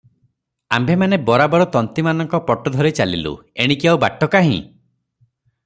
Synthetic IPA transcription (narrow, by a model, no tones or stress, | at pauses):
ambʱemanebɔɾabɔɾɔt̪ɔnt̪imanɔŋkɔpɔʈɔd̪ʱɔɾet͡ʃalḭlṵeɽ̃ikiawbaʈɔkaɦḭ̃